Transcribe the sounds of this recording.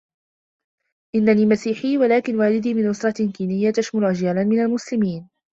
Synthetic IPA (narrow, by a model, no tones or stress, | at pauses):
ʔɪnːaniːmasiːħiːwalaːkɪnwaːlɪd̪iːmɪnʔʊsɾˤɑkiːnɪjːat̪aʃmalʕad͡ʒjaːlanmɪnalmʊslɪmiːn